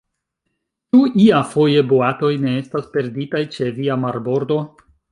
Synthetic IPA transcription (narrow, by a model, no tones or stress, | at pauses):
t͡ʃuiafo̞je̞boato̞jne̞e̞staspe̞ɾditajt͡ʃe̞viamaɾbo̞ɾdo̞